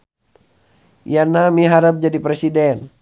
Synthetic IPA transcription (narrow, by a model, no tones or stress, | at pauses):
janamiɦaɾəp̚d͡ʒadipɾɛsidɛn